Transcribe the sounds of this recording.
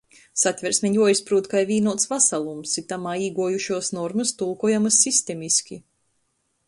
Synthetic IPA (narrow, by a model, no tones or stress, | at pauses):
sat̪ʲvʲɛɾsmʲiɲʲjuɔjispɾuːt̪kajvʲiːnuɔt̪svasalˠumsit̪amaːiːɡuɔjuʃuɔsnɔɾmɨst̪ulˠkuɔjamɐsːist̪emʲiskʲi